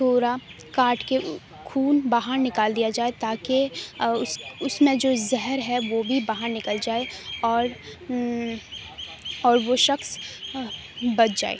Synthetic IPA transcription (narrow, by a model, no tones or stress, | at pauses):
t̪ʰoːɾa | kaːʈke | kʰuːnbaːɦəɾnɪkaːld̪ijad͡ʒaːet̪aːkeʊsʊsmẽd͡ʒoːzɛɦəɾɦɛʋobʱibaːɦaɾnɪkəld͡ʒaːeɔːɾ | ɔːɾʋoʃɐxs | bɐʈʰd͡ʒa̰ːḛː